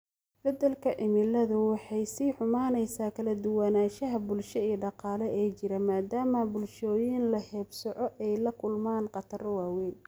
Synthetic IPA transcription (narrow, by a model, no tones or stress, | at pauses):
bɐd̪ɐlkʰɐʕɪmɪlɐðʊwɑħɑjsiːħʊmaːnɛjsaːkʰɐlɐd̪ʊwɑnaːʃɐɦɐbʊlʃɐiːɖɑqɑːlɛɛːt͡ʃɪɾɐmaːd̪aːmɐbʊlʃɔːjɪnlɐhɛːbsɔʕɔʔɛjlɐkʰʊlmaːnqɑt̪ʰɐrwaːwɛn